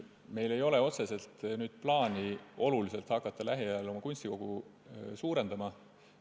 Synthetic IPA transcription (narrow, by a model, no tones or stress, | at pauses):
me̞jle̞jo̞le̞o̞t̪se̞se̞lt̪nyːd̪̥plɑːnʲio̞lulise̞lt̪hɑkːˑɑt̪ːɑlæɦiælo̞mɑkunʲsʲt̪iko̞ɡ̥u | suːɾe̞nd̪ɑmɑ